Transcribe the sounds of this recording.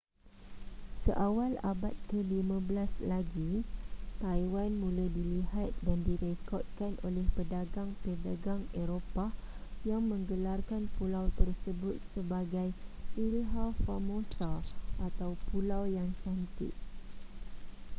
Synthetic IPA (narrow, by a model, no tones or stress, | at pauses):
səʔawalabat̪̚kəlimãbəlaslaɡit̪ajwanmũladiliɦat̪̚dandiɾekɔt̪̚kanʔolɛhpədaɡaŋpədaɡaŋeɾopa | jaŋmə̃ŋɡəlarkanpulawt̪ərsəbʊt̪̚səbaɡajilɦafamosaʔat̪awpulawjaŋt͡ʃant̪ɪ̰t̚